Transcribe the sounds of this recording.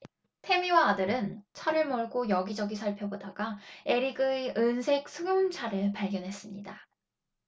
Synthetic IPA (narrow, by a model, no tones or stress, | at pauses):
tʰe̞miwaːdɯɾɯnt͡ɕʰaɾɯɭmʌɭɡojʌɡid͡ʑʌɡisʰʌɭpʰjobodaɡae̞ɾiɡɯiɯnsʰe̞k̚sʰɯɡɯmt͡ɕʰaɾɯɭpaɭɡjʌnɦe̞s͈ɯmɲida